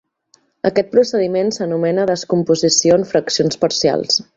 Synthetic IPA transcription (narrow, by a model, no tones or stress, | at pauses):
əkɛt̪̚pɾusəðimensənumɛnəðəskumpuzisioəɱfɾəksionspəɾsia̰lˠs